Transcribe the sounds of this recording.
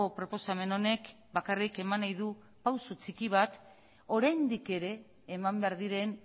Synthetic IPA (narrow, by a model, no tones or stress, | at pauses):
opɾo̞po̞same̞no̞ne̞k | bakarike̞manajðu | pawsot͡sikiβ̞at̪ | o̞ɾajnd̪ike̞ɾe̞ː | mambe̞aɾðiɾe̞n